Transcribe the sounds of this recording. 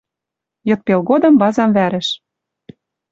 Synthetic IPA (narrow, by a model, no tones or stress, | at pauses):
jɤ̆t̪̚pelɣod̪ɤ̆mbɑzɑmvæɾɘ̆ʃ